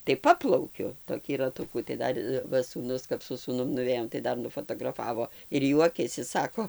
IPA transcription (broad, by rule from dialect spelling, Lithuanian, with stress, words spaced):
tɐɪ ˈpɑːplˠɐʊkʲʊ toːˈkʲiː rɐˈtʊkuː tɐɪ ˈdɐr ˈʋɐ suːˈnʊs kɐp sʊ suːˈnʊm nʊˈʋʲeːjoːm tɐɪ ˈdɐr nʊfɐtɐɡrɐˈfɑːʋoː ɪr ˈjuɔkʲɛsʲɪ ˈsɑːkoː